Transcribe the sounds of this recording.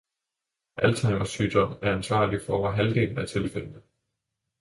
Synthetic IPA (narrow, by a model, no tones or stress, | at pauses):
ʔælt͡sʰɑ̈ɪmɐsyːd̥ɒmæɐænsʋɑ̰̈ːlifɒɒʋɐɦæld̥e̝̰ːln̩æt͡sʰe̝lfel̰nə